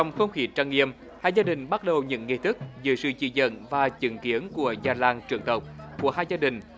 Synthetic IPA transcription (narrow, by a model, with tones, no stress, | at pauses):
t͡ɕɔ˧wŋ͡mxə˧wŋ͡mxi˨˦t͡ɕaː˧ŋːi˧əm | haː˧˩jzaː˧ɗï˨˩ŋ̟ɓa˦˥t̚ɗə˨˩wɲɨ̰˧˥ŋːi˧t̪ʰɨ˦˥k̚zɨ̰˧˨˦sɨ̰˧˩t͡ɕḭ˧˩zə̰˧˨nvaː˨˩t͡ɕɨ˨˧˩ŋki˨˦ənku˧˩əzaː˧˩laː˧˩ŋt͡ɕɨ˨˩əŋt̪ə˨˩wk͡p̚ku˧˩əɦaː˧jzaː˧ɗï˨˩ŋ̟